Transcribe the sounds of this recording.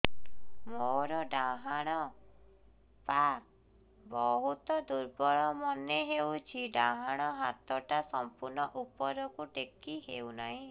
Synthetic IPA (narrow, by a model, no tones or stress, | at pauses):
moɾɔɖãɦaɽ̃ɔ | pa | bɔɦut̪ɔd̪uɾbɔɭɔmɔneɦewt͡ʃʰiɖãɦaɽ̃ɔɦat̪ɔʈasɔmpuɾnɔʔupɔɾɔkuʈekːiɦewnaɦĩ